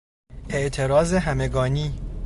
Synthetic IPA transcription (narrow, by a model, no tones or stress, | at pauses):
e̞ʔt̪ʰe̞ɾɒːzeɦæmeɡɒːniː